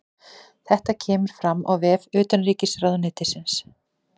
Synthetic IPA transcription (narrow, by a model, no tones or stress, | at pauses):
θɛht̪acʰɛːmʏɾ̥fɾamːʔa̰wvɛːvʏːt̪anriːcɪsɾaːwðʏnɪːt̪ɪsɪns